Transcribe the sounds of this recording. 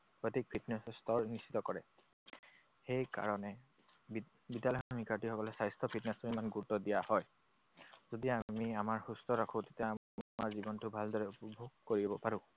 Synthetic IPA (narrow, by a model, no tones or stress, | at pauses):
pɔtik̚pʰitnɛsstɔɹnisʰitɔkɔɹɛ | xejka̰ɹɔnɛ | bidjalɔjamikaɹtihɔkɔlɛsajstʰɔpʰitnɛsɔɹimanɡutɔdijahɔj | zodijaamiamaɹxustɔɹakʰʊ̃tetja | maɹzibɔntʊbʱaldɔɹɛupbʱoɡ̚koɹibɔpaɹʊ̃